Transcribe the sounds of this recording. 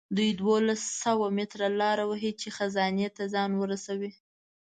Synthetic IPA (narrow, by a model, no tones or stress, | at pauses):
d̪ujd̪wolasːawamɪt̪ɾalɑɾawəɦit͡ʃexazɑnjet̪azɑnwəɾasawi